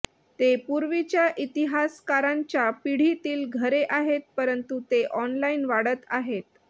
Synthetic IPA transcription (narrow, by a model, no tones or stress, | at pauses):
t̪epuɾʋit͡ɕjaʔit̪iɦaskaɾãɲt͡ɕjapiɽ̤it̪iːlɡʱəɾeʔaɦet̪̚pəɾənt̪ut̪eʔɔnlainʋaɽət̪aɦet̪̚